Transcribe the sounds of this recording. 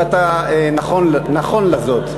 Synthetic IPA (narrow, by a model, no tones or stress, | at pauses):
at̪aenaχonlnaχo̞nlazot̪